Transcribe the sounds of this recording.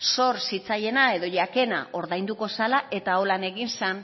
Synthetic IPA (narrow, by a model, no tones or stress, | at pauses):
so̞ɾsit͡saje̞nae̞ðo̞ʎake̞na̰ʔo̞ɾðajnd̪uko̞salaʔe̞t̪ao̞lane̞ɣinsan